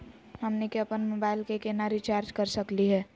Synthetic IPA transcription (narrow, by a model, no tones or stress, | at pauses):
hɐmnekeɐpənmoːbaːɪlkekenaɾit͡ʃaːɾd͡ʒkəɾsəkliɦɛː